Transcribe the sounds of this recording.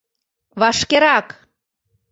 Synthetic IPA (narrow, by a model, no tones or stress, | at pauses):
βɑʃkeɾɑk